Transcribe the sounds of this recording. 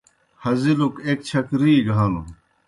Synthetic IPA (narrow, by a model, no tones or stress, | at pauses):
hɐzilukeːk̚t͡ɕʰɐkɾiːɡʱaːnu